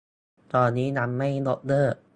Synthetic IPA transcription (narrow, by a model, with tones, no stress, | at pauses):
t̪ɔː˧nːiː˦˥na˧mːa˥˩jdo˦˥t̪̚lɤː˥˩